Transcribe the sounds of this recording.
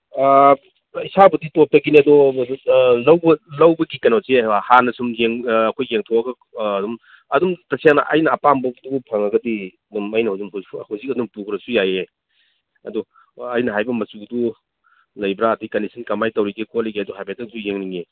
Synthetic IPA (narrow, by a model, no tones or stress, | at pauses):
isabɐditɔp̚tɐɡiniɐdɔ | lɐwbɐlɐwbɐɡikɐnosewahanɐsumjeŋːkʰojːeŋtʰɔɐɡɐː | dum | ɐdumtɐsʰijaŋnɐ̰ʔɐ̰jnɐːpambɐbdubupʰɐŋɐɡɐdiɐdumɐjnɐhuzumhhuzik̚ɐdumpukʰɾɐsujaje | ɐ̰dɔː | jnɐɦajbɐmɐt͡ʃuɡdu | lɐjbɾaːtijkɐndisʰɐnkɐmajtɐwɾiɡikʰɔtlɐjɡiɐdɔɦajpetɐŋsʰujeŋniŋe